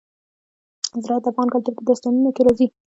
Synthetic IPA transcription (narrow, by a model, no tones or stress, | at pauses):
zɾɑat̪afɣɑnkalt̪uɾpəd̪ast̪ɑnunokeɾɑzi